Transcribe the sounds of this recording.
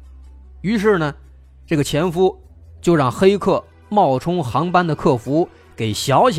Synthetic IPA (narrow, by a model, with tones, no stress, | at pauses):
y˧˥ʂ̬ɻ̩˥˩nə˩ | ʈ͡ʂɤ˥˩ɡə˩t͡ɕʰjɛ˧˥nfu˥ | t͡ɕjo˥˧ʊɻɑ˥˩ŋxe˥ɪkʰɤ˥˩ | mɑ˥˩ʊʈ͡ʂʰʊ˥ŋxɑ˧˥ŋpa˥nd̪ə˨kʰɤ˥˩fu˧˥ | ke˨˩ɪɕjɑ˧˥ʊɕ